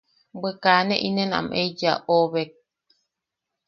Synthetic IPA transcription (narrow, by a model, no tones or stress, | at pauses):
bekaːneʔinena̰med͡ʒa̰ʔoβek̚